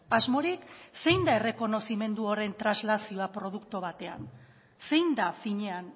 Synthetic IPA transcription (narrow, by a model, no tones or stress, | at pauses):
azmo̞ɾikse̞jnd̪ae̞re̞ko̞no̞sime̞nd̪uo̞ɾe̞nt̪ɾazlasio̞apɾo̞ð̞ukt̪oβ̞at̪e̞a̰n | se̞jnd̪afiɲe̞an